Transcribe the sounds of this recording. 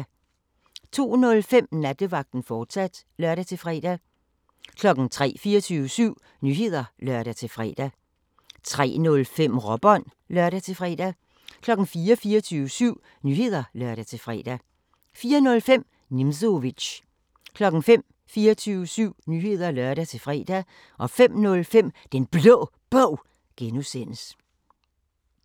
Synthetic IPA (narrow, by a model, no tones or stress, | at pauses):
t͡sʰo̝̰ːnɔ̽lfem̰næd̥əʋɑ̈ɡ̥̚d̥n̩fɒːd̥sæd̥lɶɐɾæt͡sʰe̝lfʁɛd̥æ | kʰlɒ̽ɡ̥n̩t͡sʰʁɛ̰ːfiːɐt͡sʰyːʋəsyʊ̰ | nyːɦe̝ð̞̰ˠɐlɶɐ̰ɾ̥æt͡sʰe̝fʁɛ̰ːd̥æ | t͡sʰʁɛ̰ːnɔ̽lfem̰ʁɒb̥ɒ̽n̰ | lœɐɾæt͡sʰe̝fʁɛ̰ːd̥æ | kʰlɒ̽ɡ̥n̩fiːɐfiːɐt͡sʰyːʊəsyʊ̰ | nyːhe̝ð̞̰ˠɐlɶɐ̰ɾæt͡sʰe̝fʁɛ̰ːd̥æ | fiːɐnɔ̽lfem̰ | nimsoʋi̥ɕ | kʰlɒ̽ɡ̥n̩fem̰ | fiːɐt͡sʰyːʊəsyʊ̰nyːhe̝ð̞̰ˠɐlɶɐɾ̥æt͡sʰe̝fʁɛ̰ːd̥æ | ʔɒ̽fem̰nɔ̽lfem̰d̥enb̥lɔ̰ː | b̥ɔʊ̰ | ɡ̥enusen̰əs